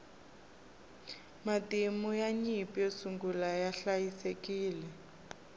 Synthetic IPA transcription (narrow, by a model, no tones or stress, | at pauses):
matʼimujaɲipjosuŋɡulajaɬajisekiːlɛ